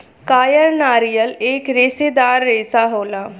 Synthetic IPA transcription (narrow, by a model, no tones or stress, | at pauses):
kaːjəɾnaːɾijəleːkɾeːsed̪aːɾːeːsaɦoːlaː